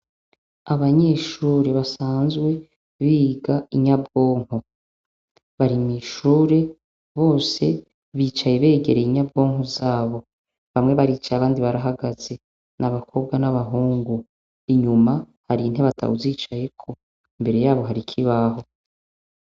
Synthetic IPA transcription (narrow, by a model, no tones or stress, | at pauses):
aβaɲe̞ʃuːɾe̞βasaːnzwe̞ | βiːɡaiɲabɡo̞ːŋ̥ho | βaɾimŋiːʃuːɾe̞ | βo̞ːse̞ | βiːt͡ʃajeβe̞ːɡe̞ɾeiɲab̚ɡo̞ːŋ̥ozaːβo̞ | βamŋe̞βaɾiːt͡ʃajaβaːndiβaɾaɦaɡaz̥e̞ | nʔaβakʰo̞b̚ɡwanaβaɦuːŋɡu | iɲuma | haɾin̥he̞βatʰa̰wuziːt͡ʃaje̞kʰo̞ | imbe̞ɾe̞jaːβo̞ɦaɾikʰiβaɦo̞